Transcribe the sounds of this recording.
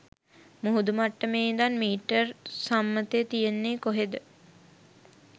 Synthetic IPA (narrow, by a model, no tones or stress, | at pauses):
muɦud̪umaʈːəmeːd̪anmiːʈːərsamːət̪et̪ijenːeːkoɦed̪ə